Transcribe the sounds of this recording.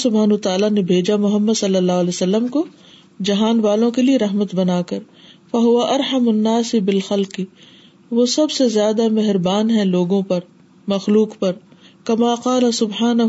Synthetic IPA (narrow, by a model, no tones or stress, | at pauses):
sʊbaːnːt̪aːlanebʱeːd͡ʒamʊɦəmːəd̪sɐlːəlːaːɦʊɐleːsɐlːəmko | d͡ʒɐɦaːnʋaːlõkelieɾɐɦmət̪bɐnaːkɐɾ | fɐɦʊʋaʔɐɾħɐmʊnːaːsibɪlxɐlqi | ʋosɐbsezjaːd̪amɛɦɾbaːnɦɛ̃loːɡõpɐɾ | mɐxluːqpɐɾ | kɐmaːqaːlɐsʊbħaːnɐɦ